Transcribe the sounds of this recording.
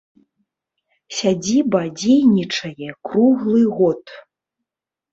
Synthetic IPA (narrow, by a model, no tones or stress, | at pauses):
sʲad͡zʲibɐd͡zʲejnʲit͡ʂɐjɛkɾuɣlˠɨɣɔt̪